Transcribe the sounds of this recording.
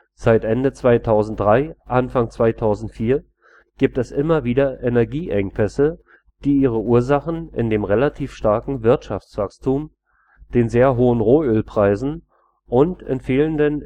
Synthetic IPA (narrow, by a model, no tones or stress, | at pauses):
z̥aɪtʔɛndət͡sv̥aɪtʰaʊzn̩t̚d̥ʁaɪʔanfaŋt͡sv̥aɪtʰaʊzn̩tfiːɐ | ɡ̥iːp̚tɛsʔɪmɐviːdɐʔenɛɐɡiːʔɛŋpʰɛsə | d̥iːʔiːʁ̞əʔuːɐzaχn̩ʔɪ̰ndeːmʁelatʰiːfʃtaɐkŋ̩vɪɐtʃaft͡sv̥akstʰuːm | d̥eːnzeːɐɦoːənʁoːøːlpʁ̥aɪzn̩ | ʔʊntɪ̰nfeːləndən